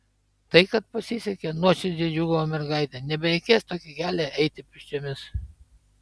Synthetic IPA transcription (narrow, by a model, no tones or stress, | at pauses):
t̪ɐɪkɐt̪̚pɐsʲisʲɛkʲenuɔʃʲɪd̪ʲid͡ʒʲuːɡɐʋoːmʲɛɾɡɐɪt̪ʲɛnʲɛbʲɛɾʲɛɪkʲeːst̪oːkʲɪɡʲæːlʲeɛɪt̪ʲɪpʲɪʃʲt͡ʃʲomʲɪs